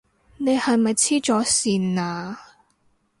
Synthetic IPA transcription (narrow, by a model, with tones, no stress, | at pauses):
ne˨˧jhɐ˨jmɐ˨jt͡sʰiː˥t͡ʃɔː˨˥siː˨naː˨˧